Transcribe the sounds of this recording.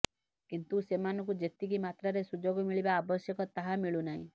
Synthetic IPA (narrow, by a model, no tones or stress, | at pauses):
kint̪usemanɔ̃ŋkud͡ʒet̪iɡimat̪ɾaɾesud͡ʒoɡɔmiɭibaːbɔsjɔkɔt̪aɦamiɭunaɦḭ̃